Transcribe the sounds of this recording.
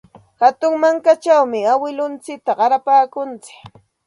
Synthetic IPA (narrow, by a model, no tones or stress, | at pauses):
hat̪ʊŋmaŋkat͡ʃawmɪawɪlʊnt͡sɪk̚t̪aɢɑɾapaːkʊnt͡sɪ̥k